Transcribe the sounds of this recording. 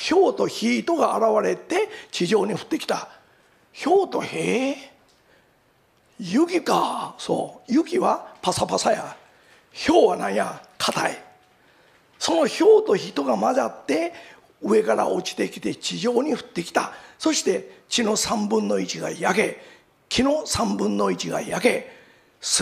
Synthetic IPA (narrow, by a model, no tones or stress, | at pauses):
ço̞ːt̪o̞çiːt̪o̞ɡaːɾaβaɾe̞t̪e̞t͡ɕiʑo̞ːɲ̟iɸɯ̟̥t̪ːe̞kʲi̥t̪a | ço̞ːt̪o̞̰he | jɯkʲikaso̰ːjɯkʲiβapasapasaja | ço̞ːβanãɰ̃jakʰat̪ai | so̞no̞ço̞ːt̪o̞çit̪o̞ɡamazat̪ːe̞ | ɯ̟e̞kaɾa̰ʔo̞t͡ɕi̥t̪e̞kʲi̥t̪e̞t͡ɕiʑo̞ːɲ̟iɸɯ̟̥t̪ːe̞kʲi̥t̪aso̞ɕi̥t̪e̞t͡ɕino̞sãmbɯ̟̃nːo̞it͡ɕiɡa̰jake̞ | kʲino̞sãmbɯ̟̃nːo̞it͡ɕiɡa̰jake̞ | s